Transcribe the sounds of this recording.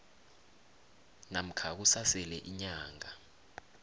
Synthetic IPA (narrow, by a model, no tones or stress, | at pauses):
nam̩kʰak̬usasɛlɛʔiɲaːŋa